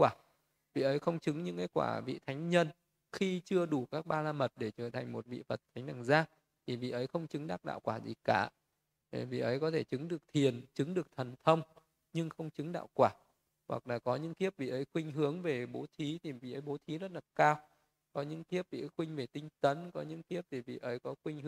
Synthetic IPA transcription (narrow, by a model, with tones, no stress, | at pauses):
waː˧˩ | vḭ˧˨ʔə˨˦jxə˧wŋ͡mt͡ɕɨ˨˦ŋɲɨ̰˧˥ŋʔaː˨˦jkwa̰ː˧˩vḭ˧˨t̪ʰa˨˦jŋ̟ɲə˧n | xi˧t͡ɕɨ˧əɗu˧˩kaː˦˥k̚ɓaː˧laː˧mə˨˩t̚ɗe˧˩t͡ɕəː˧˩t̪ʰa˨˩jŋ̟mo˨˩t̚vḭ˧˨və˨˩t̚t̪ʰa˨˦ŋnaː˧˩ŋzaː˧ | t̪ʰi˨˩vḭ˧˨ʔə˨˦jxə˧wŋ͡mt͡ɕɨ˨˦ŋɗaː˦˥ɗa̰ː˧˨wkwaː˧˩zḭ˨˩kaː˧˩ | e˨˩vḭ˧˨ʔə˨˦jkɔ˨˦t̪ʰe˧˩t͡ɕɨ˨˦ŋɗɨ˨˩ək̚t̪ʰi˨˩ənt͡ɕɨ˨˦ŋɗɨ˨˩ək̚t̪ʰə˨˩nt̪ʰə˧wŋ͡m | ɲɨ˧ŋxə˧wŋ͡mt͡ɕɨ˨˦ŋɗa̰ː˧˨wkwaː˧˩ | wa˨˩k̚laː˨˩kɔ˨˦ɲɨ̰˧˥ŋt̪i˦˥əp̚vḭ˧˨ʔə˨˦jxwï˧ŋ̟ɦɨ˨˦əŋve˨˩ɓo˨˦t̪ʰi˨˦t̪ʰi˨˩vḭ˧˨ʔə˨˦jɓo˨˦t̪ʰi˨˦zə˦˥t̚laː˨˩kaː˧w | kɔ˨˦ɲɨ̰˧˥ŋt̪i˦˥əp̚vḭ˧˨˦jxwï˧ŋ̟ve˨˩t̪ï˧ŋ̟t̪ə˨˦nkɔ˨˦ɲɨ̰˧˥ŋt̪i˦˥əp̚t̪ʰi˨˩vḭ˧˨ʔə˨˦jkɔ˨˦xwï˧ŋ̟h